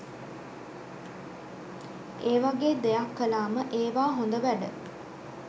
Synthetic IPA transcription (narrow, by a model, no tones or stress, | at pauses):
eːʋaɡeːd̪ejakːəlaːməʔeːʋaːɦond̪əʋæɖə